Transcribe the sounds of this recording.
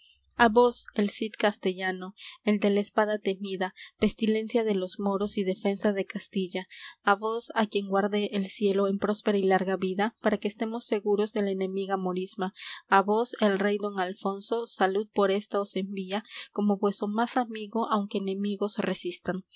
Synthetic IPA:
aβo̞se̞lsit̪kast̪e̞ʝano̞e̞ld̪e̞laespaðat̪e̞miðape̞st̪ile̞nsjaðe̞lo̞zmo̞ɾo̞siðe̞fe̞nsaðe̞kast̪iʝaːβosakje̞ŋɡwaɾðeʔːlsje̞lo̞empɾo̞spe̞ɾailaɾɣaβiðapaɾake̞ːst̪e̞mo̞sːe̞ɣuɾo̞zðe̞laene̞miɣamo̞ɾizmaːβo̞se̞lre̞jd̪o̞ŋalfo̞nso̞saluð̚po̞ɾest̪ao̞se̞mbiako̞mo̞βwe̞st̪ɾomasamiɣo̞ʔawŋke̞ːne̞miɣo̞sresist̪aŋ

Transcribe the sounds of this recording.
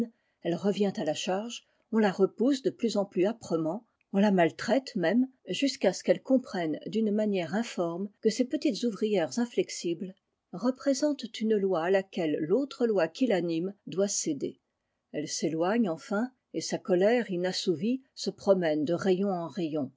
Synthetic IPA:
ɛlʁəvjɛ̃t̪alaʃaʁʒ | ɔ̃laʁəpusd̪əplyzɑ̃plyapχəmɑ̃ | ɔ̃lamalt̪χɛt̪mɛmʒyskasə̥kɛlkɔ̃pχɛnd̪ynmanjɛʁɛ̃fɔʁmkəsepət̪it̪zuvʁijɛʁzɛ̃flɛksibl | ʁəpχezɑ̃t̪ːynlwaːlakʲɛlːot̪χəlwakʲilanimd̪wased̪e | ɛlselwaɲɑ̃fɛ̃ | esakɔlɛʁinasuvisəpχɔmɛnd̪əʁejɔ̃ɑ̃ʁejɔ̃

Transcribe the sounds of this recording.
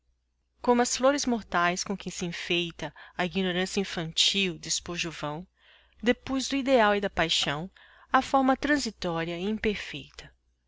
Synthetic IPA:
kõmʊɐsfloɾɪzmoɾt̪ajskõkẽj̃sɪĩfejt̪ɐɐiɡinoɾɐ̃sjɐĩfɐ̃nt͡ʃiwd̪ɪspoʒuvɐ̃w̃ | d̪epojzd̪ʊid̪eawɪd̪ɐpajʃɐ̃w̃ | ɐfɔɾmɐt̪ɾɐ̃zit̪ɔɾiɐĩpeɾfejt̪ɐ

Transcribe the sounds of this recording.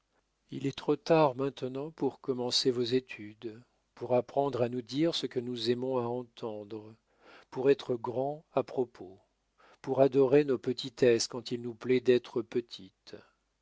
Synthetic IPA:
ḭlɛt̪χot̪aʁmɛ̃t̪nɑ̃puʁkɔmɑ̃sevozet̪ʰyd̪ | puʁapχɑ̃d̪ʁanud̪iʁsəkənuzɛmɔ̃aɑ̃t̪ʰɑ̃d̪ʁə | puʁɛt̪χəɡʁɑ̃apχɔpʰo | puʁad̪ɔʁenopət̪ʰit̪ɛskɑ̃t̪ilnuplɛd̪ɛt̪χəpət̪ʰit̪

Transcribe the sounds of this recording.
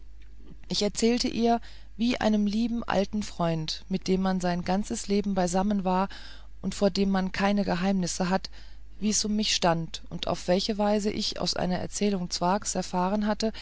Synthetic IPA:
ʔɪçɛɐt͡sɛːltəʔiːɐ | viːʔa̰ɪnəmliːbm̩ʔa̰ltn̩fʁ̥ɔʏntmɪt̚d̥eːmːanzaɪnɡant͡səsleːbm̩baɪzamənvaːɐ | ʔʊntfoːɐdeːmːankʰaɪnəɡəɦaɪmnɪsəɦat | viːɛsʊmːɪçʃtantʊntʔa̰ʊfv̥ɛlçəvaɪzəʔɪ̰ça̰ʊsʔa̰ɪnɐʔɛ̰ɐt͡sɛːlʊŋt͡sv̥aɐksɛɐfaːʁənɦatə

